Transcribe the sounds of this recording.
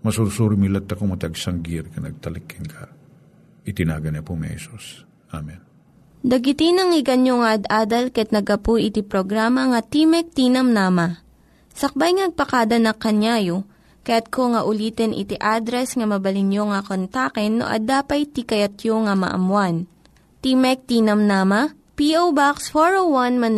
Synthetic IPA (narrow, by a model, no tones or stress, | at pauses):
mɐsuɾsuːɾimɪlɐt̪ːɐkomɐt̪ɐɡsɐŋɡiɾkɐnɐ̰ɡ̚t̪ɐlɪkʰːɪnkʰɐ | ʔɪt̪ɪna̰ːɡɐnɐpoŋɐ̰hɛsus | ʔa̰mɛn | d̪ɐɡɪt̪inɐŋɪɡɐnjoŋɐʔɐd̪aːd̪ɐlkɐjɐt̪̚nɐɡɐpujʔɪt̪ipɾoɡɾamɐŋɐt̪imɛk̚t̪iːnɐmnaːmɐ | sɐk̚bajŋɐnɐɡ̚pɐkaːd̪ɐnɐkɐnjaːjo | kɐjat̪̚kʰoŋɐʔʊliːt̪ɛnʔɪ̰t̪iʔad̪ɾɛsŋɐmɐbɐlɪnjoŋɐkont̪akɛnːo̰ʔɐ̰d̪aːpɐjt̪ikɐjɐt̪̚joŋɐmɐ̰ʔɐ̰mwan | t̪imɛk̚t̪iːnɐmnaːmɐ | piʔowbaksfoɹowɐnmɐn